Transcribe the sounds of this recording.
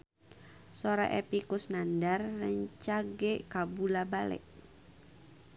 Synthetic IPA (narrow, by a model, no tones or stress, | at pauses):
soɾa̰ʔɛpikʊsnandarːəɲt͡ʃaɡɛkabulabalɛ̰ʔ